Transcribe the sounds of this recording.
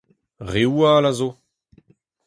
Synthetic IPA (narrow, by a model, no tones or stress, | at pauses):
ʁewalazo